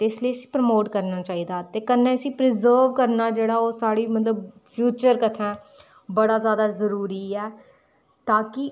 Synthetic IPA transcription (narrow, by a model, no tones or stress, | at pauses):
t̪esliːəsĩ̥ːpɾəmoːʈkəɾnaːt͡ʃaːiːd̪aːt̪eːkənːẽːəsĩːpɾɪzəːɾʋkəɾnaːd͡ʒeːɽaːoːsaːɽiːmət̪ləb̚pʰjuːt͡ʃəɾkət̪ʰɛ̃ː | bəɽaːzjaːd̪aːzəɾuːɾiːɛː | t̪aːkɪ